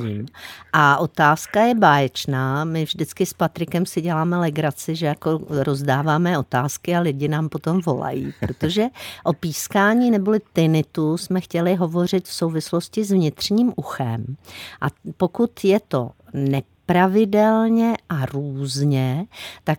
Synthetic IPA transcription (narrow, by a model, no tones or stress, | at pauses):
iːmʔaʔo̞t̪aːskajɛbaːjɛt͡ʃnaːmɪvʒdɪt͡skɪspat̪ɾɪkɛmsɪɟɛlaːmɛlɛɡɾat͡sɪʒɛjako̞ɾo̞zdaːvaːmɛo̞t̪aːskɪalɪɟɪnaːmpo̞t̪o̞mvo̞̰la̰jḭːpɾo̞t̪o̞ʒɛʔo̞piːskaːɲiːnɛbolɪt̪ɪnɪt̪usmɛxcɛlɪɦo̞vo̞r̝ɪt̪fso̞wvɪslo̞scɪzvɲɪt̪r̝̥ɲiːmʔuxɛmʔapo̞kut̪jɛt̪o̞̰nɛ | pɾavɪdɛlɲɛʔaɾuːzɲɛt̪ak